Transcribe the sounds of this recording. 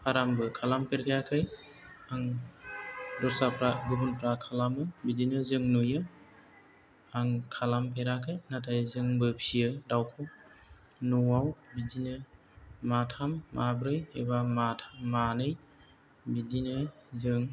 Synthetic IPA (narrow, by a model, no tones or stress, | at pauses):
pʰaɾambɯkʰalampʰeɾkʰajakʰaj | aŋ | dɔɾsapɾaɡubunpɾakʰalamɯbidinɯzɯŋnujɯ | aŋkʰalampʰeɾakʰajnatʰajzɯŋbɯpʰijɯdawkʰɔw | nuawbidinɯ | matʰamːʔabɾɯjhebamatʰamːanɯj | bidinɯzɯŋ